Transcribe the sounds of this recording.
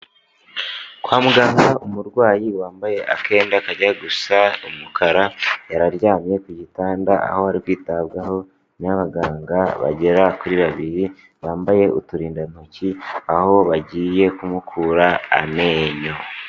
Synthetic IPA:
kwaːmuɡaːŋɡaumuɾɡwaːjiwaːmbaje̞ʔa̰ke̞ːndakaɟaɡusaumukʰaɾajaɾaɾjaːmɲe̞kuɟitaːndaa̰ho̞haɾikwiːtaβɡaho̞ | naβaɡaːŋɡaβa̰ɟe̞ɾakuɾiβaβiɾi | βaːmbaje̞ʔutuɾiːndan̥ociaho̞βaɟiːje̞kumukʰuːɾaa̰me̞ːɲo̞

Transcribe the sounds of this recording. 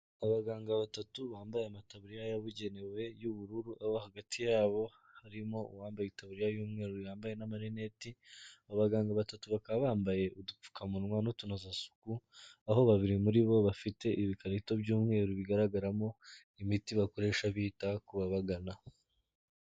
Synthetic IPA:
aβaɡaːŋɡaβatatuβaːmbajeamataβuɾijajaβuɟe̞newe̞juβuɾuɾuʔaβohaɡatʰijaːβo̞ | haɾimo̞uwaːmbajitaβuɾijajuːmŋe̞ːɾojaːmbaje̞namaɾine̞tiaβaɡaːŋɡaβatatuβakaββaːmbaje̞ʔudup͡fu̥kamunwanotunazasu̥kuaɦo̞βaβiɾimuɾiβo̞βafite̞ʔiβikaɾito̞βɟuːmŋe̞ːɾuβiɡaɾaɡaɾamo̞ | imitiβako̞ɾe̞ːʃaβiːtakuβaβaɡana

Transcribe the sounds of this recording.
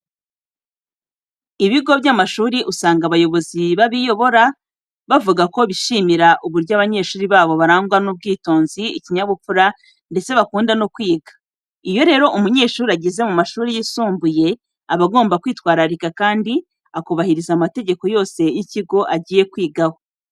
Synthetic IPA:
iβiɡo̞βjamaʃuːɾiʔusaːŋɡaβajo̞βo̞ziβaβijo̞βo̞ɾa | βavuɡako̞βiʃimiɾaʔuβuɾɟaβaɲe̞ːʃuːɾiβaːβo̞βaɾaːŋɡwanub̚ɡiːto̞ːnziḭciɲaβupuɾa | nde̞t͡se̞βakuːndano̞kwiːɡḁ | ijo̞ɾe̞ːɾo̞ʔumuɲe̞ːʃuːɾiaɟeze̞mumaʃuːɾijisuːmbuje̞ | aβaɡo̞ːmbakwiːtwaːɾaɾikakaːndi | akuβahiɾizaːmate̞ɟe̞ko̞jo̞ːse̞jiciɡo̞ʔaɟiːje̞kwiːɡaho̞

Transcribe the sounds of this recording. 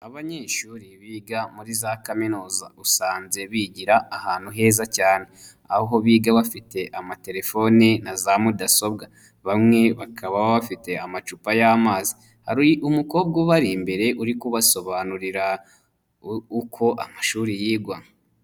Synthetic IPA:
aβaɲeːʃuːɾiβiːɡamuɾizaːkaminuːzausaːnze̞βiɟiɾaːhaːn̥huɦe̞ːzacaːne̞ | ahoɦo̞βiːɡaβafite̞ʔamate̞ɾe̞fo̞ninazamudaso̞bɡa | βamŋe̞βakʰaβaβaβafite̞amat͡ʃupajamaːzi | haɾiumukoːb̚ɡuβaɾimbe̞ɾe̞ʔuɾikuβaso̞βanuɾiɾa | ukʰo̞ʔa̰maʃuːɾijiːɡwaŋa

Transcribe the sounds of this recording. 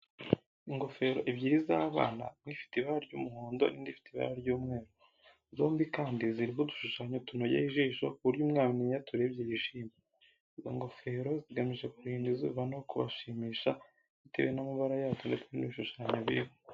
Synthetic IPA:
iŋɡo̞fe̞ɾoʔibɟiɾizaβa̰ːna̰mŋifi̥tiβaɾaɾɟṵmuɦoːndo̞̰nindifi̥tiβa̰ɾaɾɟuːmŋe̞ːɾo | zo̞ːmbikaːndiziɾiɦoduʃuʃaɲotunojehiʒiːʃo̞̰kuβuɾjuːmŋaːmniɲatuɾebɟejiʃiːme | izo̰ŋɡo̞fe̞ɾo̞ziɡamiʒe̞kuɾiːndizṵːβanookuβa̰ʃiːmiːʃa | iteβejenamaβaɾajaːtondet͡seniβiʃuʃaɲoβiɾiβo

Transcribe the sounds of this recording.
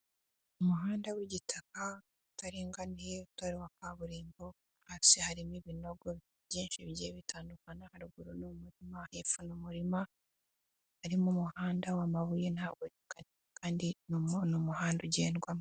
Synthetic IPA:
umuɦaːndawiɟitʰaka | utaɾiːŋɡanieutaɾiwakaβuɾiːmbo̞ | hasihaɾimiβino̞ɡo | βjiːnʃiβjeβitʰaːndukanahaɾuɡuɾunumuɾimahefunumuɾima | haɾimumuhaːndawamaβujenaɡonekanekaːndinnumuhaːnduɟeːndɡwam

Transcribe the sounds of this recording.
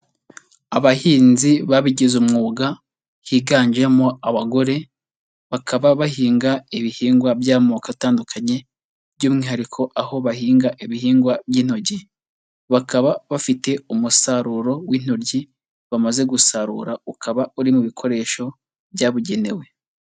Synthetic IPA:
aβahiːnziβaβiɟizumŋuːɡa | hiɡaːɲd͡ʒemoaβaɡo̞ɾe̞ | βakʰaβaβahiːŋɡaiβihiːŋɡwabjaːmokataːndukʰaɲe̞ | bɟuːmŋiːhaɾikʰo̞ʔaho̞βahiːŋɡaʔiβihiːŋɡwabjiːn̥o̞ɟi | βakʰaβaβafite̞umusaɾuɾo̞wiːn̥ho̞ɾɟi | βamaze̞ɡusaɾṵɾaukʰaβauɾimuβikʰo̞ɾe̞ːʃo̞ | βjaːβuɟe̞newe̞

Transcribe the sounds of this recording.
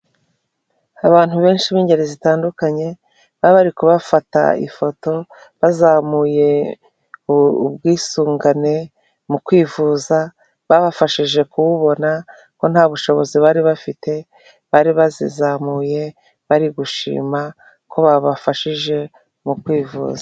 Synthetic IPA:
aβaːn̥huβe̞ːnʃiβiːɲɟe̞ɾezitaːndukaɲe̞ | βaβaɾikuβafata̰ḭfo̞to̞ | βazamuje̞ | ṵbɡiːsuːŋɡane̞ | mukwiːvuːza | βaβafaʃiʒe̞kuβuβo̞na | ko̞n̥haβuʃo̞βo̞ziβaɾiβafite̞ | βaɾiβazḭzamuːje̞ | βaɾiɡuʃḭːma | kʰo̞βaβafaʃiʒe̞ | mukwiːvṵːza

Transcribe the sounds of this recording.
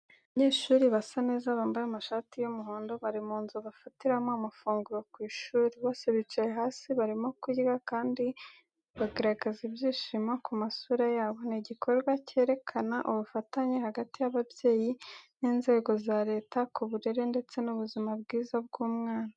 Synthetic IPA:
βaɲe̞ːʃuːɾiβasane̞ːzaβaːmbaɾamaʃaːtijumuɦoːndo̞βaɾimuːnzuβafatiɾamoamafuːŋɡuɾokwiːʃuːɾiβo̞ːse̞βit͡ʃajeɦaːsiβaɾimo̞kiɡakaːndi | βaɡeɾaɡezibjiːʃimakumasuːɾajaːβo̞niɟikʰo̞ɾɡwace̞ːɾe̞kʰanaʔuβufataɲehaɡatijaβabje̞ːjiniːnze̞ːɡo̞zaɾe̞ːtakuβuɾe̞ɾe̞nde̞t͡se̞nuβuzimab̚ɡiːzab̚ɡ̥uːmŋaːna

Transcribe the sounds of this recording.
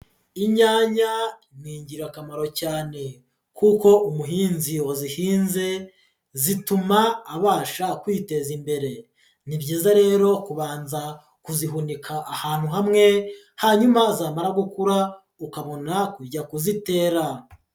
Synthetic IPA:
iɲaːɲaimŋiːɲɟiɾakamaɾo̞caːne̞ | kuko̞umuɦiːnzio̞zihiːnze̞ | zitumaːβaːʃakwiːte̞zimbe̞ɾe̞ | nibɟiːzaɾe̞ːɾo̞kuβaːnza | kuziɦunikʰaʔːhaːn̥huɦamŋe̞ | haɲumazaːmaɾaɡukuɾa | ukaβo̞nakuɟakuzite̞ːɾa

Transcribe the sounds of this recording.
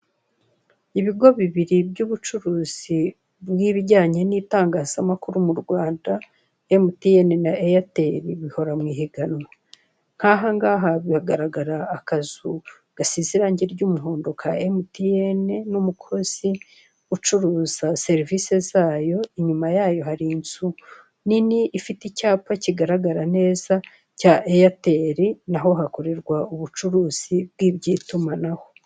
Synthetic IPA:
iβiɡo̞βiβiɾibɟuːβut͡ʃuɾuːz̥i | bwiːβiɟaːɲe̞niːtaːŋɡaːz̥amakuɾumuɾɡwaːnda | emutijenenaʔejateɾiβiho̞ɾamŋiːɦeɡano | ŋ̥haːɦaŋɡaːɦaβiaɡaɾaɡaɾaːkazu | ɡ̥asiziɾaːɲɟeɾɟuːmuɦo̞ːndo̞kʰaemutijene̞numukʰo̞z̥i | ut͡ʃuɾuːz̥ase̞ɾivise̞zaːjo̞iɲumajaːjo̞ɦaɾinzu | niniʔːfiticaːpaciɡaɾaɡaɾane̞ːza | caʔejate̞ɾinaɦo̞ɦako̞ɾe̞ɾɡwauβut͡ʃuɾuːz̥ib̚ɡiːbɟiːtumanaho̞

